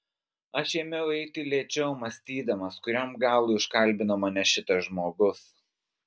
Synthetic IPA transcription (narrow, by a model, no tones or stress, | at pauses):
ɐʃjɛmʲɛʊɛɪt̪ʲɪlʲeːt͡ʃʲɛʊmɐsʲt̪ʲiːd̪ɐmɐskʊɾʲomɡɑːlˠʊɪʃkɐlʲbʲɪnɐmɐnʲɛʃʲɪt̪ɐʒmoːɡʊs